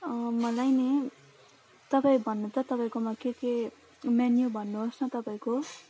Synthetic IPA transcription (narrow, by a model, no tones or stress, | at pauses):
ʌmʌlajne | t̪ʌpaĩbʱʌnːut̪ʌt̪ʌpaĩkomakeke | manjobʱʌnːuɦosnʌt̪ʌpãĩko